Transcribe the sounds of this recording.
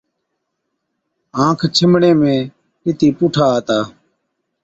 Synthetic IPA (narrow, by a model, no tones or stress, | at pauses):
ãːkʰt͡ʃʰɪmɳẽːmẽː | kɪt̪iːpʊʈʰaːt̪aː